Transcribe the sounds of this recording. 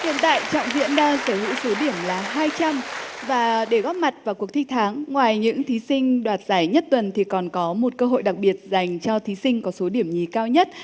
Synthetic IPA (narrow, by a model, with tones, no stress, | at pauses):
hḭ˧˨ənt̪a̰ː˧˨jt͡ɕɔ̰˧˨wŋ͡mzḭ˧˨ənɗaː˧ŋsəː˧˩hḭ˧˥wso˨˦ɗi˧˩əmlaː˨˩ɦaː˧jt͡ɕa˧mvaː˨˩ɗe˧˩ɣɔ˦˥p̚ma˨˩t̚vaː˨˩ku˨˩ək̚t̪ʰï˧˩t̪ʰaː˨˦ŋːwaː˨˩jɲɨ̰˧˥ŋt̪ʰi˨˦sï˧ŋ̟ɗwaː˨˩t̚z̥aː˧˩jɲə˦˥t̚t̪wə˨˩nt̪ʰi˨˩kɔ˨˩nkɔ˨˦mo˨˩t̚kəː˧ɦo̰˧˨jɗa˨˩k̚ɓi˨˩ət̚za˨˩jŋ̟t͡ɕɔ˧t̪ʰi˨˦sï˧ŋ̟kɔ˨˦so˨˦ɗi˧˩əmɲi˨˩kaː˧wɲə˦˥t̚